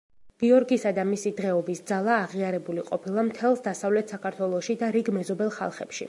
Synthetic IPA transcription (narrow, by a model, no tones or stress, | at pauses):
ɡ̥iɔɾɡisad̪amisid̪ʁɛɔbisd̪zalˠaːʁiaɾɛbuliqʼɔpʰilˠamt̪ʰɛlˠsd̪asavlɛt̪ʰsakʰaɾt̪ʰwɛlˠɔʃid̪aɾiɡmɛzɔbɛlˠχa̰lˠχɛ̰pʃḭ